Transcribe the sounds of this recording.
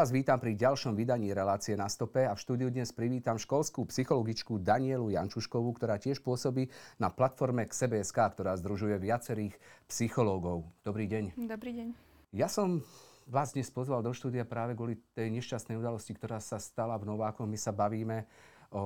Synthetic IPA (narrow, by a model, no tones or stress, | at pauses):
aːzʋiːt̪ampɾiɟalʃɔmʋid̪aɲiːɾɛlaːt͡siɛnast̪ɔpɛafʃt̪uːd̪ijud̪ɲɛspɾiʋiːt̪amʃkɔlskuːpsixɔlɔɡit͡ʃkud̪aɲɪɛluja̰nt͡ʃuʃkɔʋukt̪ɔɾaːcɪɛʃpʊɔsɔbiːnaplat̪fɔɾmɛksɛbɛːɛskaːkt̪ɔɾaːzd̪ɾuʒujɛʋɪat͡sɛɾiːxpsixɔlɔːɡɔʊd̪̥ɔbɾiːɟɛɲd̪bɾiɛɲ | jasɔmʋaːzd̪ɲɛspɔzʋald̪ɔʃt̪uːd̪ijapɾaːʋɛɡʊɔlit̪ɛjɲɛʃcast̪nɛjud̪alɔscikt̪ɔɾaːsast̪alavnɔʋaːkɔɣmisabaʋiːmɛɔ